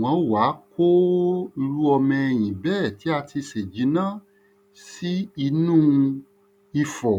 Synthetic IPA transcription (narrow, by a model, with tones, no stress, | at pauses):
wɔ̃˨˧˦wa˨˦kʰo˦i˧ɾu˦ɔ˧mɛ̃˧j̃ĩ˨bɛː˦˨ti˨˦a˧tʰi˧se˨d͡ʒi˨˦nã˦ | si˦i˧nũː˦˨˧ | i˧fɔ˨